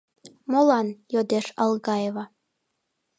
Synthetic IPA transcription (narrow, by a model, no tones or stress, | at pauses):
molˠɑnjod̪eʃɑ̰lˠɣɑjeβɑ